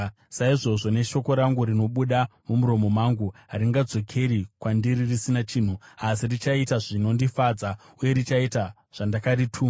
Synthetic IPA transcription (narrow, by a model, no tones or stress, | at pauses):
saiʐo̞ʐo̞ne̞ʃo̞ko̞ɾaŋɡuɾino̞ɓuɗamumuɾo̞mo̞maŋɡuɦaɾiŋɡad͡zo̞kʰe̞ɾikwandiɾirisinat͡ʃiːn̤uasirit͡ʃaitaʐino̞ndifad͡za | uje̞ɾit͡ʃaita | ʐ̥andakaritʰuːma